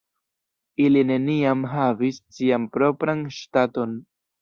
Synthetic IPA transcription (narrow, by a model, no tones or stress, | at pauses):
iline̞niamɦavissiampɾo̞pɾanʃtato̞n